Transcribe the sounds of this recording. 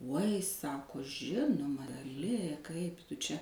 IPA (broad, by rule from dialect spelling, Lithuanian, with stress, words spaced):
uɔj ˈsɑːkoː ˈʒʲɪnʊmɐ ɡɐˈlʲɪ ˈkɐɪp ˈtʊ t͡ʃʲɛ